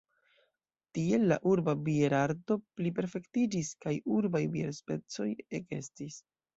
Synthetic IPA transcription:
tie̞lːa̰ʔuɾbabieɾaɾdo̞plip̬e̞ɾfe̞ktid͡ʒiskajuɾbajbie̞̰ɾspe̞t͡so̞je̞ke̞̰stis

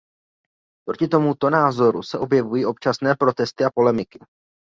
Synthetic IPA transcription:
pɾo̞cɪt̪o̞mut̪o̞naːzo̞ɾusɛʔo̞bjɛvujiːʔo̞p̚t͡ʃasnɛːpɾo̞t̪ɛst̪ɪapo̞lɛmɪkɪ̥

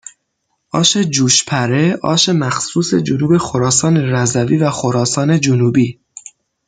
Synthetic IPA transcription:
ʔɒːʃe̞d͡ʒuːʃpʰæɾe̞ʔɒ̰ːʃe̞mæxsuːse̞̰d͡ʒonuːbe̞xoɾɒːsɒːne̞ɾæzæviːvæxoɾɒːsɒːne̞d͡ʒonuːbiː

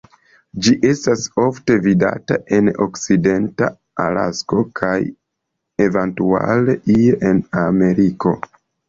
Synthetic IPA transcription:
d͡ʒiʔe̞staso̞fte̞vida̰taʔe̞no̞kside̞nta̰ | ala̰sko̞kʰaj | e̞ventua̰leʔieʔename̞ɾiko̞

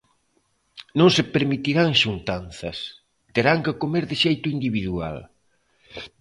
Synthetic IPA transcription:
nõŋsepeɾmit̪iɾaŋʃunt̪anθɐ̰s | t̪eɾaŋkɪkomeɾðɪʃejt̪ʊind̪iβiðua̰l

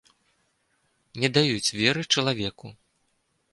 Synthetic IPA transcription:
nʲɛd̪ajut͡sʲvʲɛɾɨt͡ʂɐlˠavʲɛku

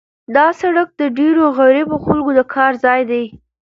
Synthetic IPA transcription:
d̪ɑsaɽak̚d̪əɖeɾoɣaɾɪboxalɡod̪əkʰɑɾzɑjd̪aj

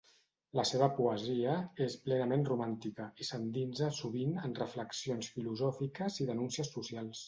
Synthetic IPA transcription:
ləseβəpuəziəesplɛnəmenrumant̪ikəisənd̪inzəsuβinənrəfləksionsfiluzɔfikəziðənunsiəsːusialˠs

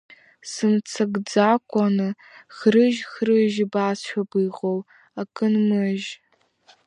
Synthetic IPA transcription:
sɨmt͡sʰɐɡd͡zaːkʷʰʼanɨ | xɾɨʒxrɨʒbaːsʃʷᶣabiːʁow | akʰʼɨnmɨʒ

